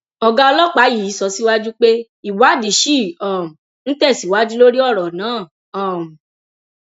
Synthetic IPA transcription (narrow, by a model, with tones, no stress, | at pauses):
ɔ˧ɡa˧ɔ˧lɔ˦k͡pa˨˦ji˨˦sɔ˧si˦wa˦d͡ʒu˦k͡pe˦ | i˨wa˨˦di˨˦ʃi˦˨ɔ˦˨m˨ | ñ̩˦tɛ˦˨si˨wa˦d͡ʒu˦lo˦ɾi˦ɔ˦˨ɾɔ˨nãː˨˦˨ | ɔ˨m˨